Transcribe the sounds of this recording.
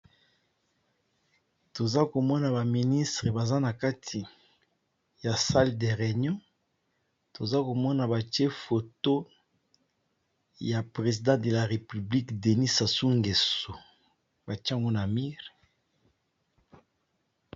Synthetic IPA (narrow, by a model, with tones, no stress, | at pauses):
to˨za˦ko˨mɔ˦na˨ba˨mi˨ni˦stʁe˨ba˨za˦na˨ka˦tʰi˨ | ja˨sa˦lde˨ʁe˨ɲɔ̃˦ | to˨za˦ko˨mɔ˦na˨ba˨tje˦fo˨to˦ | ja˨pʁe˨zi˨dɑ̃˦de˨la˨ʁe˨py˨bli˦kde˨ni˦sa˨su˦ŋɡe˨so˨ | ba˨tŋɡo˦na˨mi˦ʁ